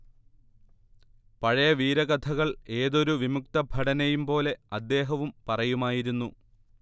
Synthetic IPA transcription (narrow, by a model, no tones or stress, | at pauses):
pɐɻɐjɐʋiːɾɐɣɐt̪ʰɐɣɐɭe̞ːðo̞ɾuʋimuk̚t̪ɐbʱɐɽɐnejumpo̞ːle̞ɐd̪ːe̞ːɦɐʋumpɐrɐjumaːjiɾunːu